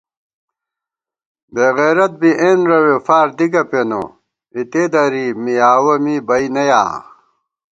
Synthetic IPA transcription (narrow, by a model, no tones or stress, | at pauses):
beɣeːɾɐt̪̚biʔeːnɾɐwefaːɾd̪iɡɐpeno̰ | it̪ed̪ɐɾimijaːwɐmibɐinɐja̰ː